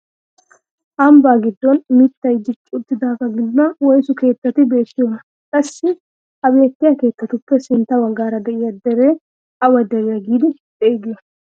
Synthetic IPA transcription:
ʔɐmbaːɡɪd̪ːɔnmɪt̪ːɐjd̪ɪt͡ʃʼːʊt̪ːɪd̪aːkɐɡɪd̪ːʊɐwɔjsʊke̞ːt̪ːɐt̪ɪbe̞ːt̪ːɪjonɐ | kʼɐsːɪ | hɐbe̞ːkːɪjɐke̞ːt̪ːɐt̪ʊpːɛsɪnt̪ːɐwɐɡaːɾɐd̪ɛʔɪjɐd̪ɛɾeː | ɐwɐd̪ɛɾɛjɐɡiːd̪ɪd̪eːɡej

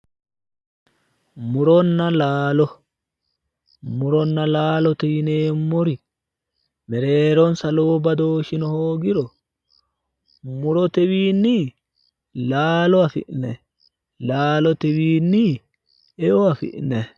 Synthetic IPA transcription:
mʊɾɔnːɐlaːlɔ | mʊɾɔnːɐlaːlɔt̪ɛwɪneːmːɔɾɪ | mɛɾeːɾɔnsɐloːbɐd̪oːʃɪnɔhoːɡɪɾɔ | mʊɾɔt̪ɛwiːnːi | laːlɔɐfɪ̰ʔnɛ | laːlɔt̪ɛwiːnːi | ɛʔɔɐfɪ̰ʔnɛ

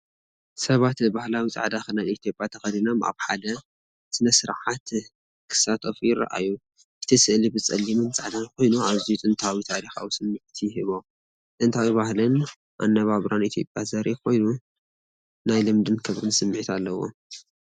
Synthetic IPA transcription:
sɐβat̪bahlawit͡sʼa̰ʕd̪axɨnajit̪ʰjo̞pʼjat̪ʰɐxɐd̪inomʔa̰βħad̪ɐ | sɨnɐsɨɾʕat̪ | kʰɨ̥sat̪ʰʼofjɪɾa̰ʔa̰ju | ʔɨt̪ʰisɨʔlibɨt͡sʼɐlːimɨnt͡sʼa̰ʕd̪anko̞jnuʕazijut͡sʼɨnt̪ʰawit̪ʰaʕɾixa̰wusɨmːɨʕt̪ʰjhɨβo̞ | t͡s̪ʼɨnt̪ʰawiβahlɨn | ʔa̰nːɐβaβɾanit̪ʰjo̞pʼjazɐɾikʰo̞jnu | najlɨmd̪ɨnkʰɨβɾɨnsɨmːʕit̪ʰalːɐwo̞̰

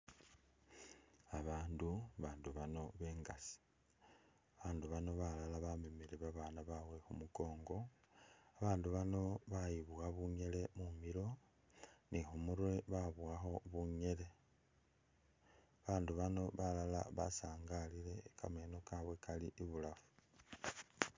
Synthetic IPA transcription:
aβaːnduβaːnduβano̞βe̞ːŋɡasi̥ | aβaːnduβano̞βalalaβamemeleβaβanaβawe̞xumuko̞ːŋɡo̞ | aβaːnduβano̞βajiβuaβuɲe̞le̞mumiɾo̞ | nʔixumuɾwe̞βaβwaxo̞βuɲe̞le̞ | βaːnduβano̞βalala̰βa̰saːŋɡalile̞kameno̞kaβwe̞kaliʔiβulafu̥

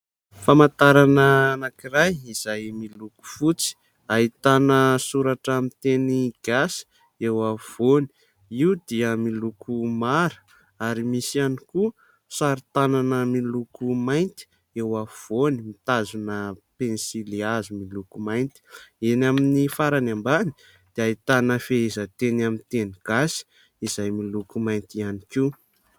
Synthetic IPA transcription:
famant̪aɾanənakirajiz̥ajmiluku̥fut͡si̥ | aɦit̪anəsuɾaʈ͡ʂamit̪eniɡ̥asi̥ | ewav̥oni̥ | iwd̪iəmilukumaɾə̥ | aɾimisianiku | saɾit̪ananəmilukumajnt̪i̥ | ewav̥onimit̪azunəpensiliazumilukumajnt̪i̥enaminifaɾanambani̥ | d̪̥eait̪anəfeezət̪enamint̪eniɡ̥asi̥ | izajmilukumajnt̪ianiki

